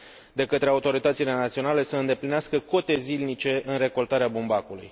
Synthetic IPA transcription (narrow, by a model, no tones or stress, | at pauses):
d̪e̞kət̪ɾe̞aut̪o̞ɾit̪ət̪sile̞nat̪sio̞nale̞səɨnd̪e̞plineaskəko̞t̪e̞zilnit͡ʃe̞ʔɨnre̞ko̞lt̪aɾeabumbakulṵj